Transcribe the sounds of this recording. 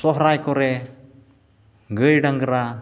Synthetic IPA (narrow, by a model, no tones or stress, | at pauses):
sɔɦɾajkɔɾɛ | ɡəjɖaŋɡəɾa